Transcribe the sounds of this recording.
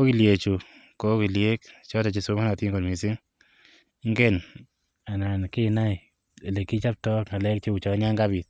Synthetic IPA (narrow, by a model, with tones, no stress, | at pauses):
ko˦ki˨lje˨t͡ʃu˨ | ko˦ki˨lje˦kt͡ʃɔ˦ta˨t͡ʃi˨so˦ma˦na˨ti˦ŋɡɔ˨nmi˨s̬ɪ˦ŋ˦ | ŋɡɛ˦n | a˨na˨nkɪ˦˨na˦j | le˨ki˦t͡ʃa˦p̚tɔ˦kŋa˨lɛ˦k̚t͡ʃi˦ʊ˨t͡ʃɔ˨˦ɲa˦ŋɡa˦bi˨t̪̚